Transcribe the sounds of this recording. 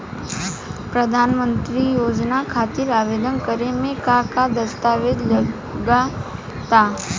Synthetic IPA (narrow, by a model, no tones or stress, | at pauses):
pɾəd̪ʱaːnmə̃nt̪ɾijoːd͡ʒnakʰaːt̪ɪɾaːʋeːd̪ənkəɾemẽkakad̪ɐst̪aːʋed̪lɐ | ɡa | t̪aː